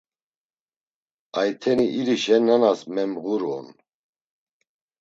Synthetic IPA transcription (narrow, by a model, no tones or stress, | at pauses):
ajt̪ʰɛniʔiɾiʃɛnanasmɛmɣuɾɔ̰n